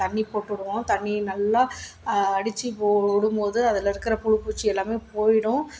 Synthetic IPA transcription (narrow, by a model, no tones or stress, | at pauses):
ɐɳːipoːʈːʊɽɯʋõːt̪ɐɳːinɐlːa | ɐɽɪt͡ʃːipoːɽɯmboːðɯɐðɪlɪɾɯkːɯɾɐpʊɻʊpːuːt͡ʃːiɛlːaːmeːpoːjɪɽʊ̃